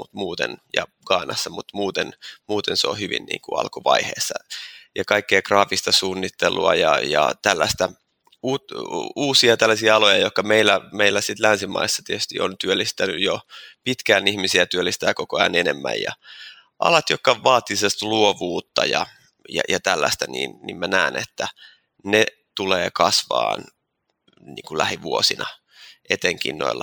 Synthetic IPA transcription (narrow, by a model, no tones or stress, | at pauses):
mut̪muːt̪ḛnjɑ̰ | ɡ̥ɑːnɑsːɑmut̪muːt̪enmuːt̪enseo̰hyʋḭnnḭːŋkuɑ̰lkuʋɑihḛːsːɑjɑkɑikːejkrɑːfist̪ɑsuːnːit̪ːelːṵɑjɑjɑ̰t̪ælːæ̰st̪æ | uːtuːsiɑt̪ælːæsiɑɑlojɑjokːɑmeilːæmeilːæsit̪lænsimɑ̰isːɑt̪iet̪y̥st̪iont̪yølːist̪ænyjjopit̪kæːnihmisiæt̪yølːist̪æːkokoɑjɑnenemːæ̰jjɑ̰ | ʔɑ̰lɑt̪jokːɑʋɑːt̪ːisest̪luoʋuːt̪ːɑjɑ̰ | jɑ̰jɑt̪ælːæ̰st̪ænḭːnnḭmmænæːnḛt̪ːæ | ne | t̪uleːkɑsʋɑ̰ːn | nḭːŋkulæhiʋuosinɑ | ʔet̪eŋkḭnːo̰ilːɑ